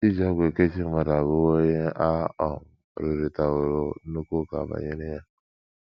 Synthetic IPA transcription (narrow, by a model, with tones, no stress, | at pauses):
i˦d͡ʒa˦ɡʷe˨ke˦t͡ʃi˦ma˨ɾa˨βo˦o˦ɲe˦ʔa˦ɔ˨ŋ̩˨ɾi˨ɾi˨ta˨o˨ɾo˨˦nu˦ko˦ka˨ba̰˨ɲe˦ne˦ja˦